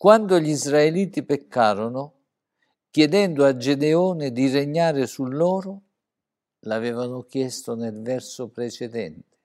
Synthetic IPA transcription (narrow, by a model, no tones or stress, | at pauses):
kwand̪ʊʎizraeliːt̪ipekːaːɾʊnʊ | k̟jɛd̪ɛnd̪ʊad͡ʒed̪eɔːnɪd̪ireɲːaːɾɪsulːɔːɾʊ | lavɛːvanʊkjɛst̪ʊnelvɛrsʊpɾet͡ʃɛd̪ɛnt̪ɪ̥